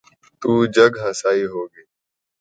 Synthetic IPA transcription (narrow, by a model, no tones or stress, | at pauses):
t̪uːd͡ʒəɡɦəsaːiːɦoːɡeː